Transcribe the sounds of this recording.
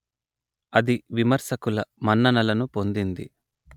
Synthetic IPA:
ɐd̪iʋimɐɾsɐkulɐmɐnːɐnɐlɐnupo̞nd̪ind̪i

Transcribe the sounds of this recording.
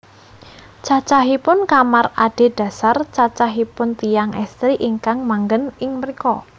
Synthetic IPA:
t͡ʃat͡ʃaɦipʊnkamaraɖ̥e̤d̥ä̤sart͡ʃat͡ʃaɦipʊnt̪ijaŋʔɛst̪ɾiʔiŋkaŋmaŋɡənɪŋrikɔ

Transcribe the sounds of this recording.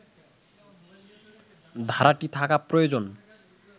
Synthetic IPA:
d̪ʱaɾaʈit̪ʰakapɾojod͡ʑon

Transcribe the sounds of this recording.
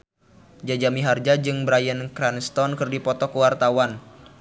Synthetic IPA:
d͡ʒad͡ʒamiɦard͡ʒad͡ʒɨŋbɾajənkɾanst̪ɔnkɨrdipɔt̪ɔkəwart̪awan

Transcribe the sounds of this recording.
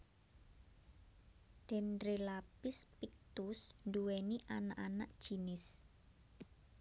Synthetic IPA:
d̪̥ɛ̤nrelapɪspik̚t̪usnduweniʔanaʔanaʔd̥ʒ̥i̤nɪs

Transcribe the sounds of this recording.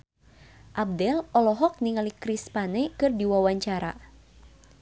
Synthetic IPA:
ʔab̚dɛlɔlɔɦɔk̚niŋalikɾispanɛkɨrdiwawaɲt͡ʃaɾa̰

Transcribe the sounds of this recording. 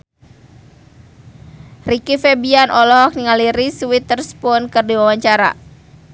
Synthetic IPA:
rikifebianʔɔlɔɦɔk̚niŋaliɾisuwit̪ərspɔnkərdiwawaɲt͡ʃaɾa̰

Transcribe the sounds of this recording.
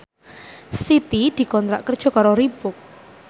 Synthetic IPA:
sit̪id̪̥i̤kɔnt̪ɾa̰ʔkərd̥ʒ̥ɔ̤kaɾoɾib̥ʊk̚

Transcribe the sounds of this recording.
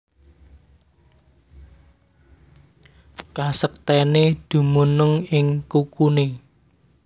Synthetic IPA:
kasək̚t̪ɛned̪̥ṳmunəŋɪŋkukune

